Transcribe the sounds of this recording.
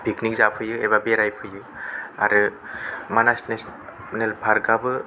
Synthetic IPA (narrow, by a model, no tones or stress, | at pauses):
b̥ʱiknik̚zapʰɯjɯebabeɾajpʰɯjɯ | a̰ɾɯmanasnes | nelbʱaɾɡabɯ